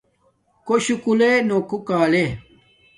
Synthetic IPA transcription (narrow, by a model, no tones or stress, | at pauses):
koɕukulenokukaːle